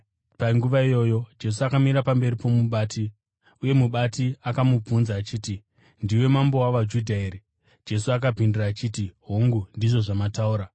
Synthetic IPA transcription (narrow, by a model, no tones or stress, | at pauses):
paŋɡuʋaijo̞ːjo̞d͡ʒe̞s̬uakamiɾapambe̞ɾipo̞muɓaːtʰi | uje̞muɓatiakamub͡vunzaːt͡ʃiːti | ndiwe̞mambo̞waʋad͡ʒudʱaeːɾe | d͡ʒe̞suak̬apindiraːt͡ʃiːtiɦoŋɡundiʐo̞ʐamatauːɾa